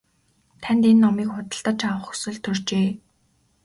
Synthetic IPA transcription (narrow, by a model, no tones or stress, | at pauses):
t̪ʰænʲt̪enːɔmiːkχʊt̪ə̆ɬt̪ə̆t͡ɕʰawəχɵ̥sɘ̆ɮt̪ʰːɵrt͡ɕeː